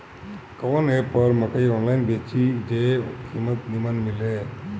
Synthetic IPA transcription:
kɐʋɐneːpːɐːɾmɐkːɐɪoːnlɐjɪnbeːt͡ʃːid͡ʒeːkʰiːmɐt̪nimɐnmɪlːe

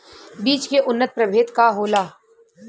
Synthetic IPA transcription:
biːt͡ʃkeʔʊnːət̪̚pɾɐbʱeːt̪kaɦoːlaː

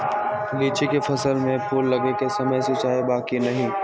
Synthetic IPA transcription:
liːt͡ʃikefɐsəlmẽpʰuːlːɐɡekesɐməjsʊt͡ʃaːebaːkinɐɦĩː

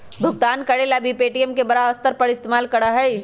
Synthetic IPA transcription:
bʱʊɡ̚t̪aːnkɐɽelabʱipeːʈijəmkebɐɾaəst̪əɾpɐɾɪst̪eːmaːlkɐɽaɦɐi

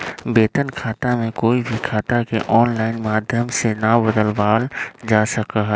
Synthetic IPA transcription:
beːt̪ənkʰaːt̪amẽkoːibʱikʰaːt̪akeʔɔːnlaːɪnmaːd̪ʱjəmsenabəd̪əlʋaːld͡ʒaːsəkaɦɛ

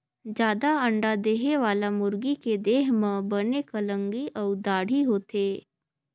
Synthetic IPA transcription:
d͡ʒjaːd̪aɐ̃ɳɖad̪eːɦeʋaːlamʊɾɡiked̪eːɦmə̃bɐnekɐlə̃ŋɡiʔɔːd̪aːɽ̤iɦoːt̪eː

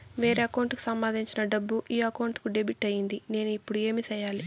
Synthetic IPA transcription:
ʋe̞ːɾeːɐkɐwuɳʈku̥sɐmːaːd̪ʱiɲt͡ʃinɐɖɐbːuʔiːɐkɐwɳʈkuɖebiʈːɐjind̪ine̞ːnuipːuɽue̞ːmiːsɛjaːli

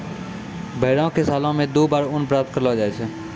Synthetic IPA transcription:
bʱeːɽãːkeːsaːlõːmẽːd̪oːbaːɾʊnpɾaːt̪ʰkəɾlaːd͡ʒaːeːt͡ʃʰɛː

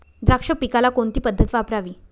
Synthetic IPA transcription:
d̪ɾakʂəpikalakoɳt̪iːpəd̪ʱːət̪ʋapɾaʋiː

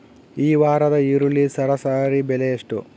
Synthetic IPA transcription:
iːʋaːɾɐd̪ɐiɾulːisɐɾɐsaːɾibelejeʂʈu

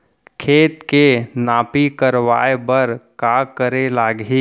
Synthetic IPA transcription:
kʰeːt̪kenaːpikəɾʋa̰ːebəɾkaːkəɾelaːɡiː

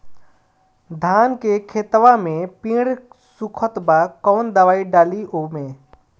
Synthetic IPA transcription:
d̪ʱaːnkekʰeːt̪ʋamẽpĩːɽ | sukʰət̪bakɔːnd̪əʋaːiɖaːliʔomẽ

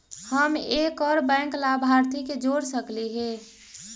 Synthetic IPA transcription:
həmeːkɔːɾbɛ̃ːŋklabʱaɾt̪iked͡ʒoːɾsəkliɦɛː

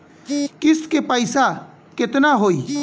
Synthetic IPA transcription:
kɪskepəɪsa | kɪt̪naɦoːi

